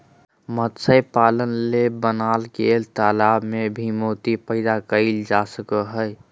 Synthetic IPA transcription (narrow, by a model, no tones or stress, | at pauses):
mət̪səjpaːlənlebənalkelt̪aːlabmebʱimoːt̪ipəɪd̪akəɪld͡ʒasəkəɦəj